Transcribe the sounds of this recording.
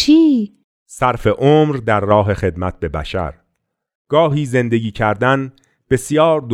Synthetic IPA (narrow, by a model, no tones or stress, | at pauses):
t͡ʃʰiː | sæɾfe̞ʔoːmɾd̪æɾːɒːɦe̞xe̞d̪mæt̪̚ʰbe̞bæ̰ʃæ̰ɾ | ɡ̥ɒːɦiːze̞nd̪e̞ɡiːcʰæɾd̪æn | b̥e̞sjɒːɾd̪